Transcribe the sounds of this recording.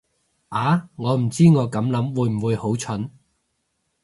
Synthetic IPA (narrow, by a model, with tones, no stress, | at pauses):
ʔaː˨˧ŋɔː˨˧m̩˨˩t͡siː˥ŋɔː˨˧kɐ˨˥mlɐ˨˥mwuː˨˧jm̩˨˩wuː˨˧jho˨˥wt͡ʃʰɵ˨˥n